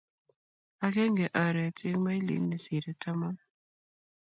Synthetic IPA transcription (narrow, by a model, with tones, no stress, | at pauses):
a˨kɛ˦ŋɡɛ˨ʔɔ˨ɾɛ˨tɪ˦ŋma˦i˦lḭ˨˦mni˨si˨ɾɛ˨ta˦ma˦